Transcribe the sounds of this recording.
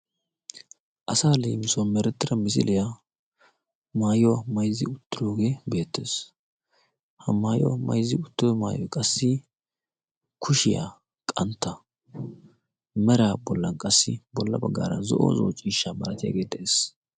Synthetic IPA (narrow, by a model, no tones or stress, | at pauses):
ʔɐsaːleːmɪswɐnmɛɾɛt̪ːɪɾɐmɪs̬ɪlɪja | maːjɔwɐmɐjzːɪʊt̪ːɪɾoːɡe̞ːbe̞ːt̪ːe̞̰ːs | hɐmaːjɔ̰ɐ̰mɐ̰jzːɪʊt̪ːɔmaːjɔjkʼɐsːɪ | kʰʊʃɪja̰ | kʼɐnt̪ːɐ | mɛɾaːbɔlːɐnkʼɐsːɪbɔlːɐbɐɡːa̰ːɾɐ̰nzɔʔo̰ːzo̰ːt͡ʃʼːiːʃːaːmɐɾɐt̪ɪja̰ɡe̞ːt̪ːɛʔeːs